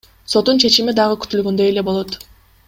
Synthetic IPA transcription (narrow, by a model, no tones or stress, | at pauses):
so̞t̪ːunt͡ʃʰe̞t͡ʃimid̪ɑʁɯky̥t̪ylɡønd̪ø̞e̞le̞bo̞lˠo̞t̪